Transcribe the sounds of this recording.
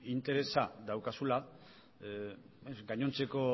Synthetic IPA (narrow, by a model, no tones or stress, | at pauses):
int̪e̞ɾe̞sad̪awkasula | esɡaɲo̞nt͡se̞ko̞